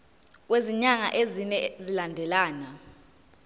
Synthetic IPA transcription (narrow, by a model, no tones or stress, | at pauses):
k̬weziɲaŋa̰ʔezinɛzilandʱɛlaːna